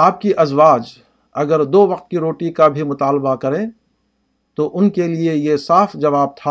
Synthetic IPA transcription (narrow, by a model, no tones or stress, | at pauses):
aːp̚kiʔɐzwaːd͡ʒ | ɐɡəɾd̪oːʋɐqt̪̚kiɾoːʈikabʱimʊt̪aːlbakɐɾẽ | t̪oʔʊnkeliejesaːfd͡ʒɐʋaːb̚t̪ʰaː